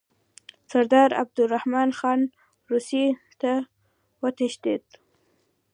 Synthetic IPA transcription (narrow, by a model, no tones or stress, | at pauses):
saɾd̪ɑɾa̰b̚d̪ʊɾahmɑnxɑn | ɾusi | t̪a | wət̪aʃd̪id̪